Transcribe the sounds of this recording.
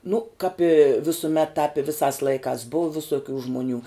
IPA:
nʊ kɑːp ɪ ʋʲɪsʊˈmʲɛt tɑːp ɪ ˈʋʲɪsɑːs ˈlˠɐɪkɑːs ˈbʊʊ ʋʲɪsoːˈkʲuː ʒmʊˈnʲuː

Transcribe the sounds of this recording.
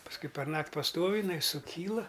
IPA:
pɐsˈkʊɪ pʲɛrˈnɐktʲ pɐˈstoːw ɪˈnɐɪ sʊˈkʲiːlˠɐ

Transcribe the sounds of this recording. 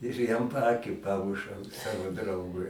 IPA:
ɪr ˈjɛm pɐˈɑːkʲiː ˈpɑːmʊʃɐʊ ˈsɑːʋoː ˈdrɐʊɡʊɪ

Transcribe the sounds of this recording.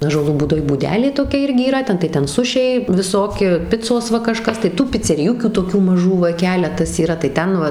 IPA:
ɑːʒuɔˈlˠuː buːˈdoːj buːˈdʲæːlʲeː toːˈkʲɛ ˈɪrʲɡʲɪ iːˈrɐ ˈtʲɛn tɐɪ ˈtʲɛn ˈsʊʃʲɛɪ ʋʲɪˈsoːkʲɪ ˈpʲɪt͡soːs ˈʋɐ kɐˈʃkɐs tɐɪ tuː pʲɪt͡sʲɛrʲɪˈjʊkʲuː toːˈkʲuː mɐˈʒuː ʋɐ ˈkʲæːlʲɛtɐs iːˈrɐ tɐɪ ˈtʲɛn ʋɐ

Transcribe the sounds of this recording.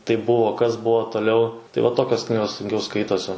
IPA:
tɐɪp ˈbʊʋoː ˈkɐs ˈbuɔ toːˈlʲɛʊ tɐɪ ʋɐ ˈtoːkʲoːs ˈknʲiːɡoːs sʊŋʲˈkʲɛʊ ˈskɐɪtoːsʲɪ

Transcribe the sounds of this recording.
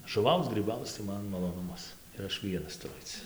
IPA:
ʒʊˈʋɐʊt͡s ɡrʲiːˈbɐʊt͡s tɐɪ ˈmɐn mɐˈlˠoːnʊmɐs ɪr ˈɐʃ ˈʋʲiɛnɐs tʊˈrʊ ˈɐɪt͡s

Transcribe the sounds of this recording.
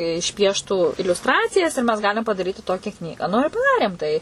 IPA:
ɪʃʲˈpʲiɛʃtuː ɪlʲʊsˈtrɑːt͡sʲɪjɛs ɪr mʲɛs ˈɡɑːlʲɪm pɐdɐˈrʲiːtʲɪ ˈtoːkʲɛ ˈknʲiːɡɑː nʊ ɪr pɐˈdɑːrʲeːm tɐɪ

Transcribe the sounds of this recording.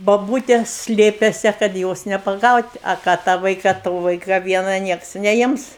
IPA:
boːˈbuːtʲɛ ˈsʲlʲeːpʲeːsʲɛ kɐt ˈjoːs nʲɛpɐˈɡɐʊtʲ ɐ ˈkɑː tɑː ˈʋɐɪkɐ ˈtoː ˈʋɐɪkɐ ˈʋʲiɛnɐ ˈnʲiɛks nʲɛˈɪms

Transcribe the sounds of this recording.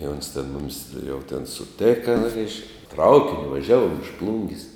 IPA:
ɪ oːns tʲɛn ˈmʊmʲɪs jɛʊ tʲɛn sʊˈtʲæːkɐ rʲɛɪʃk ˈtrɐʊkʲɪnʲʊ ʋɐˈʒʲæːʋuɔm ɪʃ ˈplˠʊŋʲɡʲɪs

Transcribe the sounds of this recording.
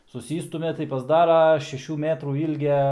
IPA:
sʊˈsʲiːstʊmʲɛ tɐɪ pɐzˈdɑːrɐ ʃʲɛˈʃʲuː ˈmʲæːtruː ˈiːlʲɡʲɛ

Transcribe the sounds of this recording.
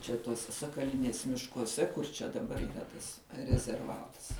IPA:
t͡ʃʲɛ ˈtuɔsʲɛ sɐkɐˈlʲɪnʲeːs mʲɪʃkuɔˈsʲɛ kʊr t͡ʃʲɛ dɐˈbɐr iːˈrɐ tɐs rʲɛzʲɛrˈʋɑːtɐs

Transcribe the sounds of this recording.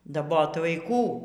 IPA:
dɐˈboːt ʋɐɪˈkuː

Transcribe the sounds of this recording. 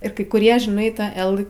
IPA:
ɪr kɐɪ kʊˈrʲiɛ ʒʲɪˈnɐɪ ˈtɑː ˈɛlˠ

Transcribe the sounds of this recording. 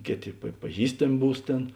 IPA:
ˈkʲeːˌtʲeː pɐ pɐˈʒʲiːstɐmʲ ˈbuːs ˈtʲeːn

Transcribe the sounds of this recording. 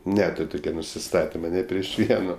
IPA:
ˈnʲæːtʊrʲ ˈtʊkʲɛ nʊsʲɪˈstɑːtʲɪmɐ nʲɪ pʲrʲiɛʃ ˈʋʲiɛnoː

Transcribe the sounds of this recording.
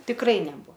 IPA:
tʲɪkˈrɐɪ nʲɛˈbʊ

